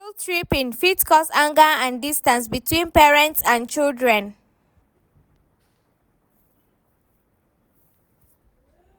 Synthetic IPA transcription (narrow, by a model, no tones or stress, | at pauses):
ltʰɹipĩnfitkʰɔsãŋɡaãndistãnsbitʰwĩnpɛɹɛ̃ntsãnt͡ʃildɹɛ̃n